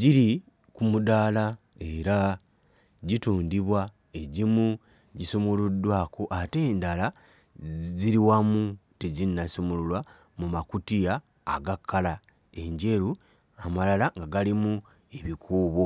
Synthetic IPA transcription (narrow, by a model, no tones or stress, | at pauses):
ɟiɾi | kumudaːla | e̞ɾa | ɟituːndiβwa | e̞ɟimu | ɟisomuludwaːkoʔate̞ːndala | ziɾiwamuteɟinːasomululwa | mumakutija̰ː | ɡakʰːala | e̞ɲɟe̞ɾu | amalalaŋɡaɡalimu | e̞βikʰuːβo̞